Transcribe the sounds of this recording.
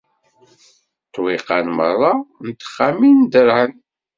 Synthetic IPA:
t̪wiqɑnmərˤːɑnt̪ə̥χːamind̪əɾhən

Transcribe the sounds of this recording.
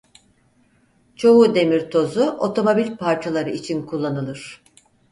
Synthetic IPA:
t͡ʃʰo̞ud̪e̞miɾt̪ʰo̞zuʔo̞t̪ʰo̞mo̞bilʲpʰaɾt͡ʃʰalˠaɾɯit͡ʃʰinkʰulˠːanɯlˠɯɾ̥

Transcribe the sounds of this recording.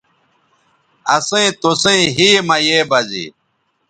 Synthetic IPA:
ɐsẽt̪osẽiɦiːmɐjeːbɐzḭ

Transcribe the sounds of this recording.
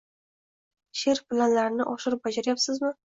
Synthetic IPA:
ʃɪɾpɪlanlaɾnɪʔɒʃɪɾɪp̚bad͡ʒaɾajapsɪzmɪ

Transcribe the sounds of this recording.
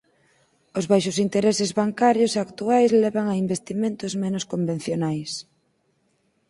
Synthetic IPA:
ʊzβajʃʊsint̪eɾesezβaŋkaɾjoseakt̪uajzlɛβaŋaimbest̪imẽnt̪ʊzmenʊskombẽn̟θjonajs

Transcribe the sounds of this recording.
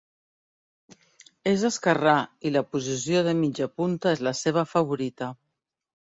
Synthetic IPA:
ezəskərailəpuzis̬ioðəmid͡ʒəpunt̪əezləseβ̞əfəβ̞uɾit̪ə

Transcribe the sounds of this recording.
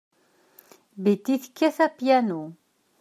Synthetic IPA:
bit̪ːiθə̥kːæθæpjænu

